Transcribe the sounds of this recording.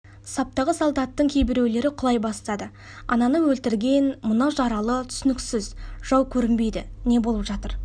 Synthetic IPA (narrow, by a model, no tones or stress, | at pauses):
sɑp̚t̪ɑʁəsolˠd̪ɑt̪ːəɴkʲʰe̞jbɪɾe̞wle̞ɾɪqʰʊlˠɑjbɑst̪ɑd̪ə | ɑ̰nɑnəwɵlt̪ɪɾɡʲe̞nmʊnɑwʒɑɾɑlˠət̪ʰʏ̥sʏnɪksɪzʒ̥ɑwkʲʰɵɾɪmbe̞jd̪ɪne̞bo̞lˠəpʒɑt̪əɾ